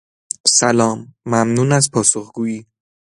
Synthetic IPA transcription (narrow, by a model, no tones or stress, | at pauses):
sælɒːmːæmnuːnæzpʰɒːsoχɡ̥uːiː